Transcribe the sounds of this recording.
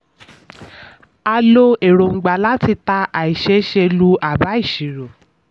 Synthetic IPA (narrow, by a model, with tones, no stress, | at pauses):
a˧lo˧e˨ɾo˨ŋ͡m̩˨ɡ͡ba˨la˦ti˧ta˧ʔa˨i˨ʃe˨˦ʃe˧lu˦a˦˨ba˨˦i˦˨ʃi˨ɾo˨